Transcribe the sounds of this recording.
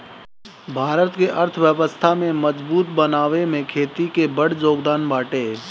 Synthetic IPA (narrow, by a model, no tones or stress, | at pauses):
bʱaːɾət̪keʔəɾt̪ʰʋjəʋəst̪ʰamẽməzbuːt̪̚bənaːʋemẽkʰeːt̪ikebəɽd͡ʒoːɡd̪aːnbaːʈeː